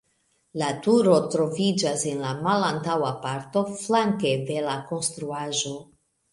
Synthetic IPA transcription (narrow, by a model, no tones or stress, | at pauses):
latuɾo̞tɾo̞vid͡ʒase̞nlamalantawapaɾto̞flaŋke̞ve̞lako̞nstɾuaʒo̞